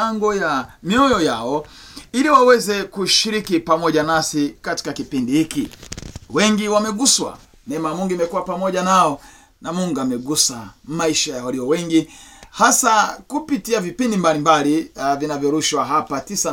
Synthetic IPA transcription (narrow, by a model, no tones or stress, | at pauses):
aŋɡɔjamiɔjɔjaɔiliwawɛzɛkuʃiɾikipamɔʄanasikati̥kakipindihikiwɛŋɡiwamɛɡuswa̰ | nɛmamuŋɡimɛkuwapamɔʄanaɔ | namuŋɡamɛɡusamaiʃajawaliɔwɛŋɡihasakupitiavipindimbalimbalivinavjɔɾuʃwaɦapatisa